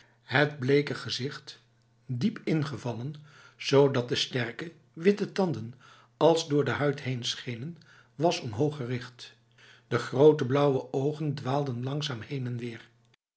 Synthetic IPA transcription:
ɦədblejkəχəzɪχt | dipɪnχəvɑlən | z̥owdɑt̚dəstɛɹkə | ʋɪtətɑndən | ɑlˠzdʊːɹdəɦœɥtɦejnsχejnən | ʋɑsɔmɦowχərɪχt | d̥əχrowtəblʌwəʔowχəndʋaːlˠdənlɑŋsaːmhejnɛnʋɪːɹ

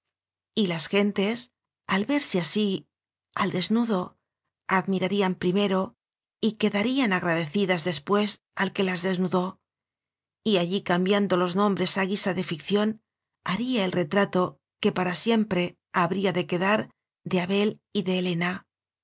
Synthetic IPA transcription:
ilasxe̞nt̪e̞s | alβe̞ɾsiasi | ald̪e̞znuðo̞ | aðmiɾaɾiampɾime̞ɾo̞ | ike̞ðaɾianaɣɾaðe̞θiðazðe̞spwe̞s | alke̞lazðe̞znuðo̞ | iaʎikambjand̪o̞lo̞znõ̞mbɾe̞saɣisaðe̞fikθjo̞n | aɾiae̞lre̞t̪ɾat̪o̞ | ke̞paɾasje̞mpɾe̞ | aβɾiaðe̞ke̞ðaɾ | d̪e̞aβe̞liðe̞ːle̞na

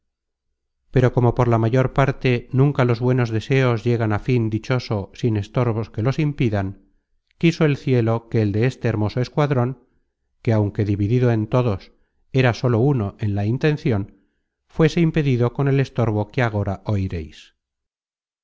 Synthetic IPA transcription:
pe̞ɾo̞ko̞mo̞po̞ɾlamaʝo̞ɾpaɾt̪e̞nũŋkalo̞zβwe̞no̞zðe̞se̞o̞zʝe̞ɣanafind̪it͡ʃo̞so̞sine̞st̪o̞ɾβo̞ske̞lo̞simpiðaŋ | kiso̞e̞lθje̞lo̞ke̞ːld̪e̞est̪eːɾmo̞so̞eskwaðɾo̞ŋ | ke̞awŋke̞ðiβiðiðoe̞nt̪o̞ðo̞s | e̞ɾaso̞lo̞uno̞ʔe̞nlaint̪e̞nθjo̞n | fwe̞se̞impe̞ðiðo̞ko̞ne̞le̞st̪o̞ɾβ̞o̞keaɣ̞o̞ɾaʔo̞iɾe̞js

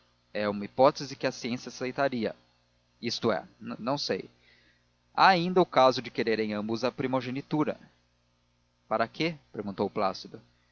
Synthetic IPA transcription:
ɛũmɐipɔt̪ezɪkɪɐsiẽsiɐasejt̪aɾiɐ̰ | ist̪ʊɛ̰nnɐ̃w̃sḛj | a̰aĩnd̪ɐʊkazʊd͡ʒɪkeɾeɾẽj̃ɐ̃mbʊzɐpɾimoʒẽnit̪uɾɐ̰ | paɾɐkʰepeɾɡũt̪owʊplasid̪ʊ

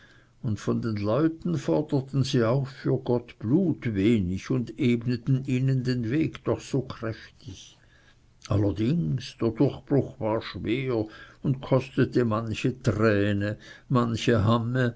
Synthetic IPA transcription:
ʊndfɔndenlɔʏtn̩fɔʁd̥əɐt̪n̩ziːaʊxfyːɐɡɔtb̥luːtveːnɪçʊndeːbnətnn̩iːnəndenveːɡd̥ɔχsoːkʁ̥ɛftɪç | ʔalɐdɪŋsd̥eːɐdʊʁxb̥ʁʊxvaːɐʃveːɐʊndtkʰɔst̪ətəmançətʁɛːnəmançəɦamə

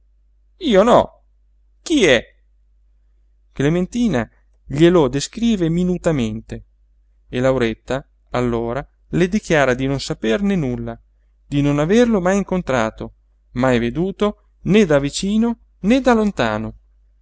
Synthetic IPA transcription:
iːonɔ̰ | k̟iɛ | klement̪iːna | ʎelod̪eskɾiːveminut̪ament̪e | elawɾet̪ːa | alːoːɾa | led̪ik̟jaːɾad̪inonsapernenulːa | d̪inonaverlomajiŋkont̪ɾaːt̪o | majved̪uːt̪o | ned̪avit͡ʃiːno | ned̪alont̪aːno

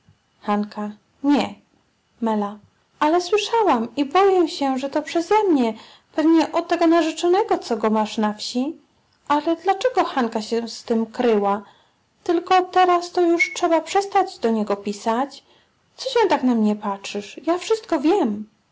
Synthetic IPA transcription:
xanka | ɲɛ | mɛla | alɛswɘʂawamibɔjɛɕɛʐɛt̪ɔpʂɛzɛmɲɛ | pɛvɲɛʔɔt̪ːɛɡɔnaʐɛt͡ʂɔnɛɡɔt̪sɔɡɔmaʂnafɕi | ʔalɛd̪lat͡ʂɛɡɔxankaɕɛst̪ɘmkɾɘwa | t̪ɘlkɔt̪ɛɾast̪ɔjuʂtʂɛbapʂɛst̪ad͡ʑd̪ɔɲɛɡɔpʲisat͡ɕ | t̪sɔɕɛ̃t̪aknamɲɛpatʂɘʂjafʂɘst̪kɔvʲjɛm

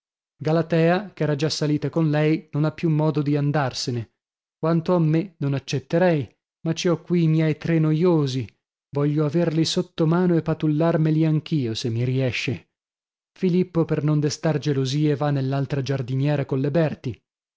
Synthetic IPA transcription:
ɡalat̪ɛːakɛːɾad͡ʒasːaliːt̪akonlɛjnonapːjumːɔːd̪od̪iand̪arsene | kwant̪oamːenonat͡ʃːet̪ːeɾɛj | mat͡ʃːiɔkːwiːmjɛjt̪ɾenojoːzi | vɔʎːoaverlisot̪ːomaːnoepːat̪ulːarmeliaŋk̟iːosemːiɾiɛʃːe | filipːopernond̪est̪ard͡ʒeloziːevanːelːalt̪ɾad͡ʒard̪injɛːɾakolːebɛrt̪i

